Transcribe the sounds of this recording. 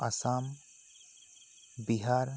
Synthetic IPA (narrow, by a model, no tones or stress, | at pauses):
ɐsaːm | biɦaːɾ